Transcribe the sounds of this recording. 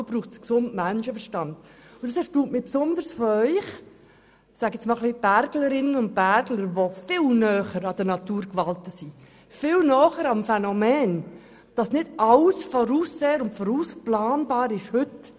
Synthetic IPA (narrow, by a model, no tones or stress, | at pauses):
b̥ɾuːχtsksʊndmænʃəfəɾʃtɑnd̥ | ʊnd̥ɑsɛɾʃtuːtmɪpsʊnd̪əɾsfɔœʏχ | sæɡɛsmɑːlχlib̥æɾɡləɾɪnənʊnt̚b̥æɾɡləɾʋofɪlnœːχəɾɑd̥ənɑtuːɾkʋɑltəsi | fɪːlnɔːχəɾɑmfɛnɔmɛːn | d̥ɑsnɪdɑlsfɔɾuːsːeːəɾʊntfɔɾuːsplɑːnbɑːɾɪʃhʏt